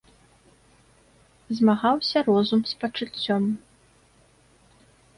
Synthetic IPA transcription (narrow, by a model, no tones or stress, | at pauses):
zmaɣawsʲɐɾɔzumspɐt͡ʂɨt͡sʲːɔm